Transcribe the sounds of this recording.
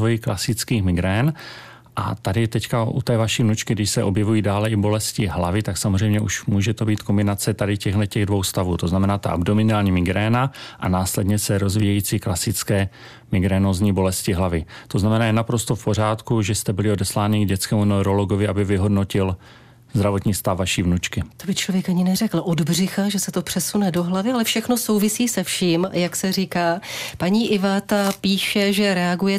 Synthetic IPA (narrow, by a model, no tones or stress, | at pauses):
vojiklasɪt͡skiːxmɪɡɾɛːn | ʔa̰t̪adɪt̪ɛckaʔṵt̪ɛːvaʃiːvnut͡ʃkɪɡdɪʃsɛʔo̞bjɛvujiːdaːlɛʔɪbo̞lɛscɪɦlavɪt̪aksamozrɛjmɲɛʔuʃmuːʒɛt̪o̞biːt̪kombɪnat͡sɛt̪adɪcɛɣɦlɛcɛɣdvo̞wst̪avuːt̪o̞znamɛnaːt̪aʔa̰bdomɪnaːlɲiːmɪɡɾɛːnaʔa̰naːslɛdɲɛsɛɾo̞zvijɛjiːt͡siːklasɪt͡skɛː | mɪɡɾɛːnozɲiːbo̞lɛscɪɦlavɪt̪o̞znamɛnaːjɛnapɾo̞st̪o̞fpor̝aːt̪kuʒɛst̪ɛbɪlɪo̞dɛslaːnɪɡɟɛt͡skɛːmunɛwɾo̞loɡovɪʔabɪvɪɦodno̞cɪl | zd̪ɾavo̞t̪ɲiːst̪afːaʃiːvnut͡ʃkɪt̪obɪt͡ʃlovjɛkaɲɪnɛrɛkl̩ʔodbr̝ɪxaʒɛsɛt̪o̞pr̥ɛsunɛdo̞ɦlavɪalɛfʃɛxno̞so̞wvɪsiːsɛfʃiːmjaksɛriːkaːpaɲiːʔɪvat̪apiːʃɛʒɛɾɛaɡujɛ